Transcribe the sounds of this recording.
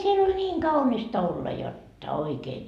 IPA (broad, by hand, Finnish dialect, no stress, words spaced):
siel olʲ nʲiːŋ kɑunistɑ olːɑ jotːɑ oikeːn